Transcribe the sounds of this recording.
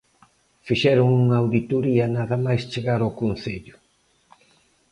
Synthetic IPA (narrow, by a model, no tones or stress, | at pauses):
fiʃɛɾʊŋuŋaːwðit̪oɾiɐnaðɐmajst͡ʃeɣaɾawkonθeʎʊ̥